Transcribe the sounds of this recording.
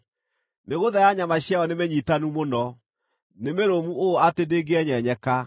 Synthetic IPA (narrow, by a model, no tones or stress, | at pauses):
neɣoðajaɲamaɕjaɔnemeɲitanumonɔ | nemeɾomuoatendeɡeɛɲɛɲɛka